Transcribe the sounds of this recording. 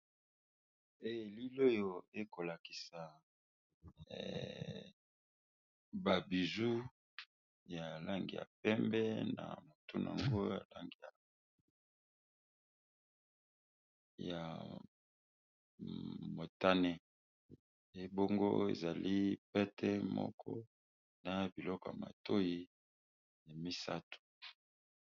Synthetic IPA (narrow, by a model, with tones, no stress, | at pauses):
e˦je˨li˦lo˦jo˨e˦ko˨la˨ki̥˨sa˨ | ba˨bi˨zu˦ | ja˨la˦ŋɡḭ˨ja̰˨p̚ɛ˦mbɛ˦na̰˨mo˨tu˦na̰˨ŋɡo˦ja̰˨la˦ŋɡi˨ja˨ | ja˨ | mo˨ta˦nɛ˦ | e˨˦bo˦ŋɡo˦ḛ˨za˨li˦pɛ˦tʰɛ˦mɔ̰˦kʰɔ˦ | na˨bi˨lɔ˦kɔ˨ja̰˨ma̰˨to˦ji˦ | ja˨mi˦sa˦tu̥˨